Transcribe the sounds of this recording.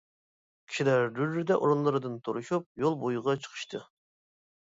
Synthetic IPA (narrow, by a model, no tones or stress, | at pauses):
kʲʰi̥ʃilæɾɾyɾːyd̪ɛʔoɾunlˠɨɾɨd̪ɨnt̪ʰoɾuʃup̚jolˠbojuʁɑt͡ʃʰə̥qʰə̥ʃt̪ʰɨ